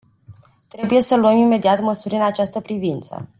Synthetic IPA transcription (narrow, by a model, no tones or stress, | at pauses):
t̪ɾe̞buje̞səluəmime̞d̪iat̪məsuɾʲɨnat͡ʃast̪əpɾivint̪sə̰